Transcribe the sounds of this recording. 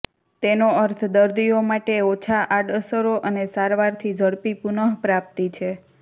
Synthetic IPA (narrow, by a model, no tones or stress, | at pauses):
t̪enoəɾt̪ʰd̪əɾd̪iomaʈeot͡ʃʰaʔaɖəsəɾoʔənesaɾʋaɾt̪ʰid͡ʒʱəɽpipunəɦpɾap̚t̪it͡ʃʰe